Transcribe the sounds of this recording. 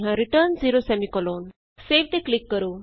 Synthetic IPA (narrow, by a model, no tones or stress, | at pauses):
ɦãɾiʈəɾnd͡ziɾosɛmikɔloːn | seʋʈ̪eklikːəɾuː